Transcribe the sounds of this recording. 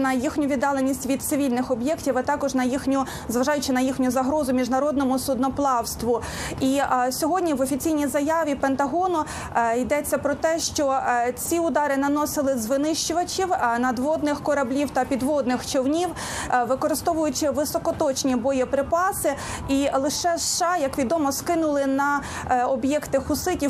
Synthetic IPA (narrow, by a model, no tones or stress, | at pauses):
nɐjixnʲʊʋʲid̪ːɑlˠenʲisʲtʲʋʲid̪̚sɪʋʲilʲnɪxɔbjɛktʲiʋɐt̪ɑkɔʒnɐjixnʲʊ | zʋɐʒɑjʊt͡ʃɪnɐjixnʲʊzɐɦɾɔzʊmʲiʒnɐɾɔd̪̚nɔmʊsʊd̪nɔplˠɑwst̪ʋʊ | isʲɔɦɔdʲnʲiʋɔfʲit͡sʲijnʲijzɐjɑʋʲipent̪ɐɦɔnʊ | id̪ɛt͡sʲːɐpɾɔt̪ɛʃt͡ʃɔt͡sʲiʊd̪ɑɾɪnɐnɔsɪlˠɪzʋɪnɪʃt͡ʃʊʋɐt͡ʃʲiwnɐd̪ʋɔd̪nɪxkɔɾɐblʲiwt̪ɐpʲid̪ʋɔd̪nɪxt͡ʃɔwnʲiw | ʋɪkɔɾɪst̪ɔʋʊjʊt͡ʃɪʋɪsɔkɔt̪ɔt͡ʃnʲibɔjipɾɪpɑsɪilˠɪʃɛsʃɑjɐkʋʲid̪ɔmɔskɪnʊlˠɪnɐ | ɔbjɛkt̪ɪxʊsɪtʲi